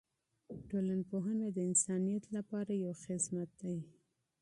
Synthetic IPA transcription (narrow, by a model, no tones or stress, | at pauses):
ʈolanpoɦanad̪əɪnsɑnijat̪lapɑɾajawxɪsmat̪̚d̪aj